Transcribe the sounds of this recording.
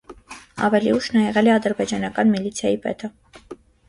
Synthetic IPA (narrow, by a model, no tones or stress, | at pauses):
ɑ̰vɛlḭuʃnɑjɛʁɛlɛɑd̪əɾbɛd͡ʒɑnɑkɑnmilit͡sʰjɑjipɛ̰t̪ʰə